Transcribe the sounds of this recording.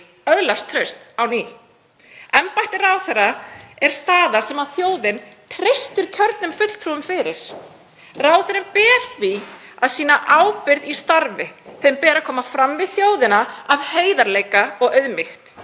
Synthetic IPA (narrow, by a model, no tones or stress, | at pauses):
œðlast̪ʰɾœɥst̪awniː | ɛmpajht̪ɪraːwθɛɾːaɛɾ̥st̪aːðasɛmaðθjoːwðɪnt̪ʰɾejst̪ʏɾ̥cʰœɾt̪nʏmfʏt̪l̥t̪ʰɾuʏmfɪːɾɪɾ̥ | raːwθœɾɪmpɛːɾ̥θviaðsiːnaʔaːwpɪɾðist̪aɾvɪθejmpɛːɾakʰɔːmafɾamːvɪðθjoːwðɪnaavheːjðaɾleːjkaɔɣœɥðmɪxt̪